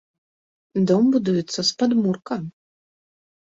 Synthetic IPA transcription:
d̪ɔmbud̪ujɛt̪sːɐspad̪murkɐ

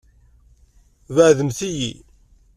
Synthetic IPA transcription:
vəʕðəmθijḭ

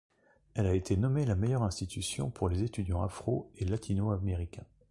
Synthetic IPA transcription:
ɛlaet̪ʰenɔmelamejœʁɛ̃st̪it̪ʰysjɔ̰̃pʰuʁlezet̪yd̪jɑ̃a̰fχoelat̪ʰinoameʁikʲɛ̃

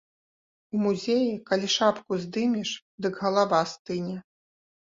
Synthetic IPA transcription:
umuzʲejikalʲiʂapkuzʲd̪ɨmʲiʂ | d̪ɨkɣɐlˠavast̪ɨnʲɛ

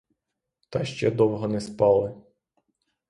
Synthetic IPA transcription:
t̪ɑʃt͡ʃɛd̪ɔwɦɔnɛspɑlˠɪ

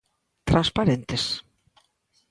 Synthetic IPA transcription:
t̪ɾãnspaɾent̪ɪs

